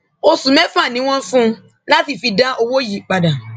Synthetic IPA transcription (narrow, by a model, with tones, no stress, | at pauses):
o˧sũ˨mɛ̃˦fã˦˨nĩ˨˦w̃ɔ̃˦fũ˦ | la˦ti˧˨fi˧dã˦ʔo˧wo˦ji˨k͡pa˨da˨